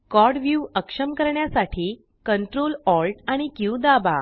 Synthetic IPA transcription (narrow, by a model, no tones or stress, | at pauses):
kɔɾɽʋjuʋəkʂəmkəɾɳjasaʈʰiː | kəɳʈɾolɔlʈaɽ̃ikiud̪aba̰